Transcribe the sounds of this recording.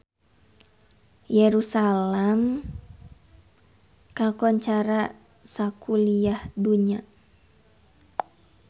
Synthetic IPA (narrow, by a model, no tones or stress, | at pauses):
jɛɾusalɛm | kakɔɲt͡ʃaɾa | sakuliahduɲa